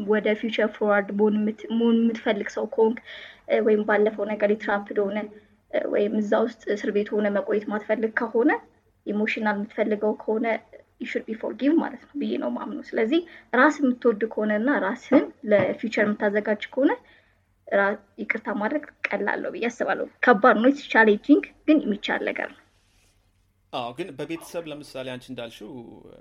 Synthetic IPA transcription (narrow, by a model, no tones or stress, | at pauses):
wɔd̪əfjut͡ʃəɾfowaɾd̪monmːɨt̪fəlːɨɡsəwkʰoŋkwɔjɪmbalːəfəwnəɡəɾjɛt̪ʰɾapːd̪oonə | wɔ̰jɪmːɨzːawʊst̪ʼsɨɾβe̞t̪ho̞nəməkʼojːɛt̪mat̪fəlːɨɡkʰəho̞nə | jɛmo̞ʃinalmːɨt̪fəlːɨɡəwkʰəho̞nə | ɪʃuɾbifo̰ɾɡivma̰lət̪nəwbɨjːḛnə̰wma̰mnowsɨləzːihɾasɪmːɨt̪ːwɔd̪ukʰəho̞nəɨnːaɾashɨmləfjut͡ʃəɾmɨt̪ːazəɡad͡ʒkʰəho̞nə | ɾa | jɛkʼɨɾt̪ʰamad̪ɾəɡkʼəlːa̰lːə̰wbɨjɛasɨβa̰lːə̰wukʰəbːad̪nəwjɛt͡ʃʰaled͡ʒiŋɡɡ̥ɨnjɛmːit͡ʃːa̰lːə̰ɡə̰ɾnəw | awɡɨnbəbe̞t̪ʰə̥səβləmɨsaleant͡ʃɪnd̪alʃu